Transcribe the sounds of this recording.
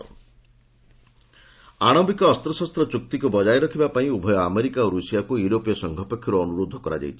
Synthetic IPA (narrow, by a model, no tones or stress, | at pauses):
aɽ̃ɔmbikɔːst̪ɾɔsɔst̪ɾɔt͡ʃuk̚t̪ikubɔd͡ʒajɾɔkʰibapaĩubʱɔjɔameɾikaoɾusijakujuɾopijɔsɔŋɡʱɔpekʰːjɔɾɔːnuɾod̪ʱːɔkɔɾa̰d͡ʒa̰jt͡ʃʰi̥